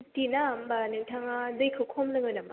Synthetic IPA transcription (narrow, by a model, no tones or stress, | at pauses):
tinambanɯŋtʰaŋazɯjkʰɯkʰɔmnɯŋɯnama̰